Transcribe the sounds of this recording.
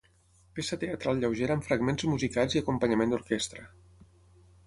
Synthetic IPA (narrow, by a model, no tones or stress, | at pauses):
pesət̪eət̪ɾalˠʎəwʒeɾəːɱfɾəɡmenzmuzikalˠziəkumpəɲəmẽnd̪uɾkest̪ɾə